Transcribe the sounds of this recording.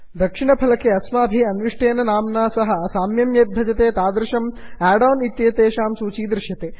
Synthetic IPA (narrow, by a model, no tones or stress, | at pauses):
d̪ɐkʂiɳɐpʰɐlɐkeɐsmaːbʱiɐnʋiʂʈeːnɐnaːmnaːsɐɦɐɐsaːmjɐmjeːt̪̚bʱɐd͡ʒɐt̪eːt̪aːd̪ɾɐʃɐmaːɖɐːnit̪jɐːt̪eːʃaːmsuːt͡ʃiːd̪ɾɪʃjɐt̪eː